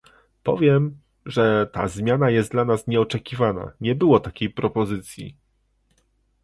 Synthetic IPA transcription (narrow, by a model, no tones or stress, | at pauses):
pɔ̰vʲjɛm | ʐɛt̪a̰zmʲjanajɛst̪d̪d̪lanasɲɛɔt͡ʂɛkʲivana̰ɲɛbɘwɔt̪akʲejpɾɔpɔzɘt̪sʲjḭ